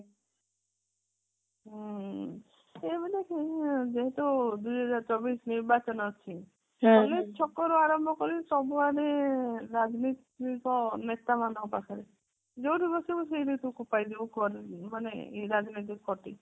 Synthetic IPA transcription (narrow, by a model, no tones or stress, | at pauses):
ɦ | ebilekʰid͡ʒeɦẽt̪ud̪ujɦɔd͡ʒaɾt͡ʃɔbisniɾbat͡ʃɔnɔt͡ʃʰi | bɔlet͡ʃʰɔkːɔɾɔaɾɔmbʱɔkɔɾisɔbuaɾeɾad͡ʒnit̪ikɔnet̪amanɔpakʰaɾe | d͡ʒowɾibɔsibɔs̬eɾit̪ukupajd̪ibɔkɔɾmanḛḛɾad͡ʒnit̪̬ikkɔʈi